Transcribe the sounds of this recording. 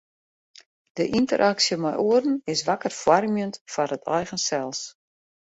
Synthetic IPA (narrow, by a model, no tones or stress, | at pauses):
d̥əʔintəɾʔaksjəmɛjʔoərn̩ɪsʋakərfwarmjəntfarətʰɛjɣənsɛlˠs